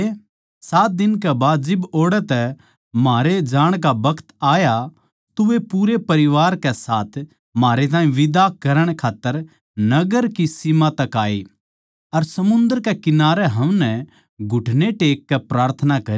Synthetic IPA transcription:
saːt̪̚d̪ɪnkɛbaːd̪d͡ʒɪboːɽɛt̪ɛ | maːɾed͡ʒaːɽ̃k̬abɐkt̪aːja | t̪ʊʋepuːɾepɐɾɪʋaːɾkɛsaːt̪ʰ | maːɾet̪̬aːĩʋɪd̪akɐɾəɽ̃kʰaːt̪ːəɾ | nɐɡəɾkisimat̪ɐkaːe | ɐɾsɐmʊ̃nd̪əɾkɛkɪnaːɾɛɦɐ̃mnɛ | ɡʱʊʈʰneʈeːkːɛpɾaːɾt̪ʰənakɐɾ

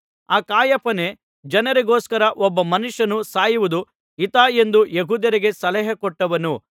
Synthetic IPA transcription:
aːkaːjɐpɐne̞ | d͡ʒɐnɐɾeɡoːskɐɾɐʔɔbːɐmɐnuʂjɐnusaːjuʋud̪u | it̪aːe̞nd̪ujeɦuːd̪jɐɾiɡe̞sɐlɐɦɐkɔʈːɐʋɐnu

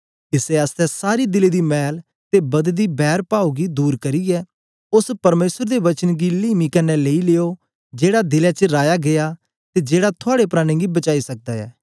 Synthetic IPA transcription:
kɪsɛɐst̪ɛsaːɾid̪ɪled̪imɛːl | t̪ebɐd̪d̪ibɛːɾpaːuɡid̪uːɾkɐɾiɛː | ʊspɐɾmeːsəɾd̪eʋɐt͡ʃənɡiliːmikɐnːɛleileːo | d͡ʒeːɽad̪ɪlɛt͡ʃəɾaːjaɡeja | t̪ed͡ʒeːɽat̪ʰʊaːɽepɾaːɽ̃eɡibɐt͡ʃaːisɐk̚d̪aːɛ̰ː

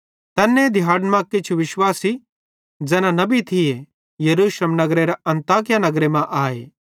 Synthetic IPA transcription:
t̪ɛːnːẽd̪ʱɪjaːɖmãkːet͡ʃʰuʋɪʃwaːsi | d͡ʒɛːnãnɐbit̪ʰɪje | jɐɾuːslemnɐɡɾeɾaɐ̃nt̪aːk̬ɪjanɐɡɾemɛ̃ʔaːeː

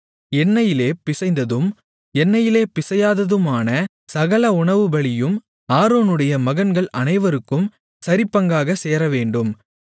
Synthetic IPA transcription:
ɛnːɐjɪleːpɪsɐɪnd̪ɐðɯm | ɛnːɐjɪleːpɪsɐjaːðɐðɯmaːnɐ | sɐɣɐɭɐʊɳɐʋɯbɐɭɪjɯm | aːɾoːnɯɽɐjɐmɐɣɐnɡɐɭʔɐnɐɪʋɐɾɯkːɯm | sɐɾɪpːɐŋɡaːɣɐseːɾɐʋeːɳɖɯm

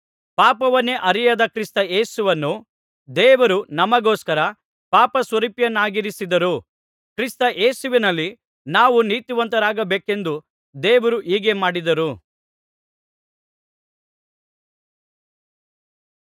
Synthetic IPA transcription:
paːpɐʋɐnːeʔɐɾijɐd̪ɐkɾist̪ɐeːsuʋɐnːu | d̪ɛːʋɐɾunɐmɐɡoːskɐɾɐ | paːpɐsʋɐɾipjɐnːaːɡiɾisid̪ɐɾu | kɾist̪ɐʔeːsuʋinɐlːi | naːʋuniːt̪uʋɐnt̪ɐɾaːɡɐbeːke̞nd̪u | d̪eːʋɐɾuʔiːɡe̞maːɽid̪ɐɾu

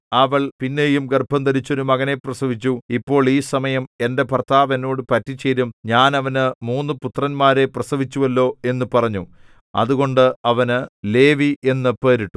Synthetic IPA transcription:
ɐʋɐɭpinːe̞jumɡerbʱɐnd̪ɐɾit͡ɕːoɾumɐɣɐne̞prɐsɐʋit͡ɕːuipːo̞ːɭiːsɐmɐjɐme̞nde̞pɐrt̪aːʋɐno̞ːɽɨpɐtːit͡ɕːe̞jɾumɲaːnɐʋɐnɨmuːnːɨput̪rɐnmaːɾe̞prɐsɐʋit͡ɕːuʋɐlːo̞ːe̞nːupɐrɐɲːu | ɐ̰ðuɣo̞ɳɖɨɐʋɐnɨle̞ːʋie̞nːɨpːeːɾiʈːu̥

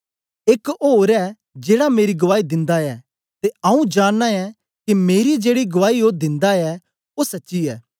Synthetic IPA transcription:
ekoːɾɛ | d͡ʒeːɽameːɾiɡɐʋaːid̪ɪ̃nd̪aɛ | t̪eɐũd͡ʒaːnːaɛ | kimeːɾid͡ʒeːɽiɡʊʋaːioːd̪ɪ̃nd̪aɛ | osɐtːʃiɛː

